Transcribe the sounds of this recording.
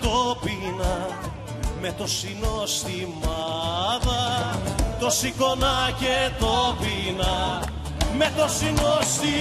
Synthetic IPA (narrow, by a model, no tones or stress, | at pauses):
t̪opinɐ | met̪o̞sinost̪imɐðɐ | t̪o̞siko̞nɐcet̪opinɐ | met̪o̞sinost̪i